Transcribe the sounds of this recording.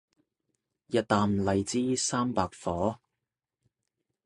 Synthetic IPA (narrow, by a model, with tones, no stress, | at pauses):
jɐ˨˧t̚t̪aː˨˧mlɐ˨jt͡siː˥saː˥mpaː˧k̚fɔː˨˥